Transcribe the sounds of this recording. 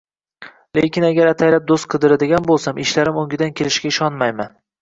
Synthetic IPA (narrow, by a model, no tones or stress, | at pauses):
lekʲɪnaɡʲaɾat̪ʰajlap̚d̪ost̪̚qʰɨd̪ɪɾad̪ɪɡʲanbolˠsamɪʃlaɾɪmoŋɡʲɪd̪ankʲʰelɪʃkʲaɪʃɒnmajman